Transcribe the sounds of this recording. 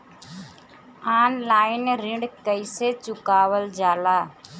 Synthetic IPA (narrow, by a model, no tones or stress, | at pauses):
aːnlaːɪnɾɪ̃ɳɖkəiset͡ʃʊkaːwəld͡ʒaːlaː